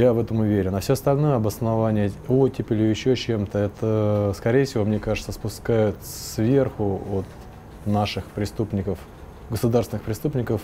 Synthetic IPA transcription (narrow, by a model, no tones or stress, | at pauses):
javɛt̪əmʊvʲeɾʲɪnɐfsʲoɐst̪ɐlʲnojəɐbəsnɐvanʲɪjəotʲɪpʲɪlʲɪjɪɕːot͡ɕe̞mt̪əɛt̪əskɐɾʲejəfsʲɪvo̞mnʲekaʐɨt̪səspʊskajʊt̪svʲe̞rxʊot̪ | naʂɨxpɾʲɪst̪upnʲɪkəf | ɡəsʊd̪arsʲɪnɨxpɾʲɪst̪upnʲɪkəf